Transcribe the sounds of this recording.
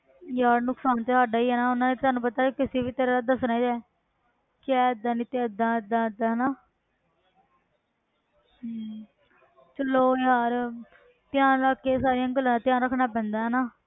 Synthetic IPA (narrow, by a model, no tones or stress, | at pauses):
jaːɾnʊksaːnt̪eːsaːɖaːiːɦɛːnaːʊnãːneːt̪aːnũːpət̪aːkekɪseːbiːt̪eːɾaːlad̪əsnaːid͡ʒɛː | kɪɛːəd̪aːnĩːt̪eəd̪ãːd̪ãːəd̪aːɦɛnaː | t͡ʃəloːjaːɾ | t̪ɪjãːnɾaːkːeːsaːɾɪjãːɡəlãːt̪ɪjãːnɾəkʰnaːp̬ɛ̃ːnd̪aːɦɛːnaː